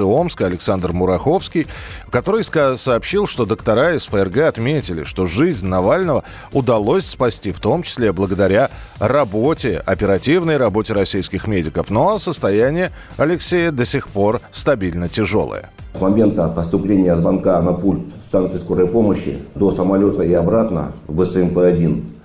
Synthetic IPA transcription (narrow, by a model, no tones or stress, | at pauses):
ɨo̞mskəɐlʲɪksand̪rmʊɾɐxo̞fskʲɪjkɐt̪o̞ɾəjssɐːpɕːilˠʂt̪o̞d̪əkt̪ɐɾaɪsfəɛrɡɛɐt̪mʲetʲɪlʲɪ̰ʂt̪o̞ʐɨzʲnʲnɐvalʲnəvə | ʊd̪ɐlˠo̞sʲspɐsʲtʲift̪o̞mt͡ɕɪ̥sʲlʲeblˠəɡəd̪ɐɾʲa | rɐbo̞tʲɪɐ̰pʲɪɾɐtʲivnəjrɐbo̞tʲɪɾɐsʲijskʲɪxmʲedʲɪkəfnoɐsəst̪ɐjænʲɪjə | ɐlʲɪksʲejəd̪əsʲɪxpo̞rst̪ɐbʲilʲnətʲɪʐo̞̰lˠə̰jə̰smɐmʲe̞nt̪əpəst̪ʊplʲenʲɪjəzvɐnkanɐpulʲt̪st̪ank̪sɨjskoɾəjpoməɕːɪ̰d̪osəmɐlʲot̪əɪɐbɾat̪nə̰vbɨsɨɛmpɛɐdʲin